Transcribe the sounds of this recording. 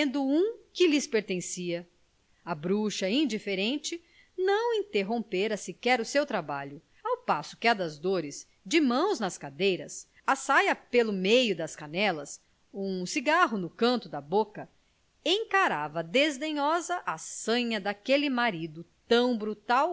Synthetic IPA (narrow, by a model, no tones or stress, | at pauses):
ẽnd̪ʊũkɪlɪspeɾt̪ẽsiɐ | ɐbɾuʃɐĩnd͡ʒifeɾẽnt͡ʃɪ | nɐ̃w̃ĩnt̪eɦõpeɾɐsɪkɛɾʊsewt̪ɾabaʎʊ | awpasʊ̥kɪad̪ɐzd̪oɾɪz | d͡ʒɪmɐ̃w̃znɐskad̪ejɾɐs | asajɐpelʊmejʊd̪ɐskanɛlɐs | ũsiɡaɦʊnʊkɐ̃nt̪ʊd̪ɐbokɐ | ẽjkaɾavɐd̪ezd̪ẽɲɔzɐʔasɐ̃ɲɐd̪akelɪmaɾid̪ʊt̪ɐ̃w̃bɾut̪aw